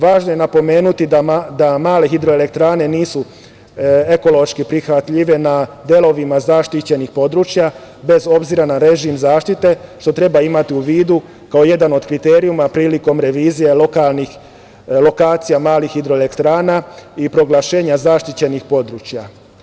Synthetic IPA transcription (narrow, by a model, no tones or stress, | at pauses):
ʋaːʒnoje̞napo̞me̞ːnut̪id̪ad̪amaːle̞xid̪ɾo̞ele̞k̚t̪ɾaːne̞niːsu | e̞ko̞lo̞ʃkipɾixʋat̪ʎiʋe̞nad̪je̞lo̞ʋimazaːʃt̪it͡ɕe̞nixpo̞d̪ɾuːt͡ʃja | be̞zo̞bziɾanaɾe̞ʒimzaːʃt̪it̪e̞ʃt̪o̞t̪ɾe̞baimat̪iuʋiːd̪u | kaoje̞d̪ano̞d̪kɾit̪e̞ːɾiumapɾiːliko̞mɾe̞ʋiːzije̞lokalˠni | lo̞kaːt̪sijamaːlixːid̪ɾo̞ele̞kt̪ɾaːnaipɾo̞ɡlˠaʃe̞ːɲazaːʃt̪it͡ɕe̞nixpo̞d̪ɾuːt͡ʃja